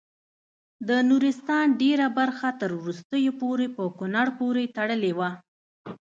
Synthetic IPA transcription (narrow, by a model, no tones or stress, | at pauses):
d̪ənuɾɪst̪ɑnɖeɾabaɾxat̪əɾwɾust̪əjopoɾepəkʊnaɽpoɾet̪aɽəlewa